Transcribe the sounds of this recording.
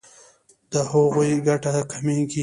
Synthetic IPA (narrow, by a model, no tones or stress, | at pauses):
d̪̥əhoɣojɡaʈakʰameɡi